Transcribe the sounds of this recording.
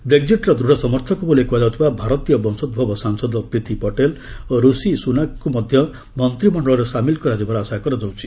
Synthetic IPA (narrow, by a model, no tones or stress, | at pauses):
bɾeɡ̚d͡ziʈɾɔd̪ɾuɽ̤ɔsɔmɔɾt̪ʰɔkubulekuad͡ʒɔwt̪ʰibabʱaɾɔt̪ijɔbɔnsɔd̪̚bʱɔbɔsaŋsɔd̪ɔpɾit̪ipɔʈeloɾusisunakumɔd̪ʱjʌ | mɔnt̪ɾimɔɳɖɔlɔɾesamilkɔɾad͡ʒibaɾasakɔɾɔd͡ʒɔwt͡ʃʰi̥